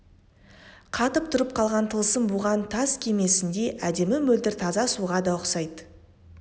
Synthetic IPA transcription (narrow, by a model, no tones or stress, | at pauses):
qʰɑt̪əp̚t̪ʰʊɾəp̚qʰɑlˠʁɑnt̪ʰəlˠsəmbʊʁɑnt̪ʰɑskʲʰe̞me̞sɪnd̪e̞ʔæd̪e̞mɪmɵld̪ɪɾt̪ʰɑzɑsuʁɑd̪ɑəqsɑjd̪